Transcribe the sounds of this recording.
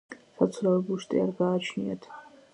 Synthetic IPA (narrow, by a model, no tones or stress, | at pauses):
sat̪sʰɾavɛbuʃt̪ʼḭaɾɡaːt͡ʃʰniɛ̰t̪ʰ